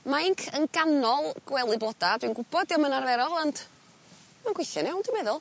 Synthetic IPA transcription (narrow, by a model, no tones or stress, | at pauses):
majŋkʰənɡanɔlˠɡ̥wɛlˠɨblˠɔdadwinɡʊb̥ɔdiɔmənarvɛɾɔlˠɔnt | maŋɡwɪθɔnɛwnd̥ɪmɛðʊlˠ